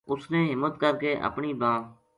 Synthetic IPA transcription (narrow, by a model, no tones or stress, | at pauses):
ʊsnẽːɦɪmːət̪kəɾkeːʔə̰pɳiːbãː